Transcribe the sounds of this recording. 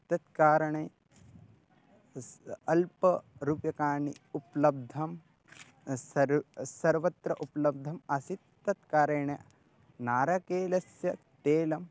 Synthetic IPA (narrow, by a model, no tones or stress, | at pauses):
t̪ɐt̪kaːɾɐɳeː | ɐlpɐɾupjɐkaːɳiuplɐb̚d̪ʱɐm | ɐɾsɐɾʋɐt̪ɾɐʔuplɐb̚d̪ʱɐmɐsit̪̚ːɐt̪kaːɾeːɳɐ | naːɾɐkeːlɐsjɐ | t̪eːlɐm